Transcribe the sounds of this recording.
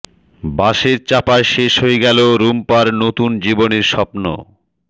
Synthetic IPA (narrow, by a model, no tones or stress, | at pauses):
baʃeɾt͡ɕapaʃeʃɦoeɡɛloɾumpaɾnot̪und͡ʑiboneɾʃɔpno̰